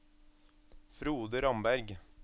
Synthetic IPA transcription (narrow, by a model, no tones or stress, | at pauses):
fɾuːd̪əɾɑmbæɾɡ